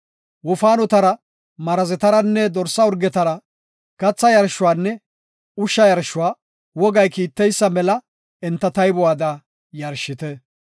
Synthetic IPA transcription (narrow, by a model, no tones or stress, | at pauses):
wʊfaːnɔt̪ɐɾɐ | mɐɾɐzɛt̪ɐɾɐnːɛd̪ɔɾsːɐɔɾɡɛt̪ɐɾɐ | kɐt͡sːɐjɐɾʃʊwaːnːɛ | ʊʃːɐjɐɾʃʊwaː | wɔɡɐjkiːt̪ːɛjsːɐmɛlɐ | ɛnt̪ːɐt̪ɐjbɔwaːd̪ɐ | jɐɾʃːɪt̪ɛ